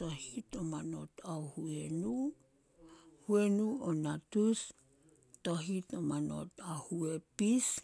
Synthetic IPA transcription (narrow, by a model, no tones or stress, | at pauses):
tohitomano̞̰taohuenu | huenuonatus | toɦitomano̞̰tahuepis